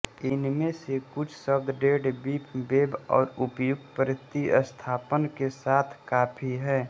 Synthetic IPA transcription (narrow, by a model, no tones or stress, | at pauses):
ɪnmẽsekʊt͡ʃʰsəbd̪ɖeːɖbiːpʰbeːbɔ̰ːɾʊpjʊk̚t̪pəɾɪst̪iʔə̰st̪ʰaːpənkesaːt̪ʰkaːpʰiɦɛː